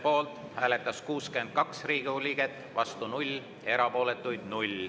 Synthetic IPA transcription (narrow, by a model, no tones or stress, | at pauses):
po̞ːlt̪ˑ | hæːle̞t̪ːˑɑskuːskyend̪̥̚kɑksriːɡ̥iulʲiɡet̪ːˑ | vɑst̪unulʲ | e̞ɾɑpo̞ːle̞t̪ːˑujd̪̥nulʲ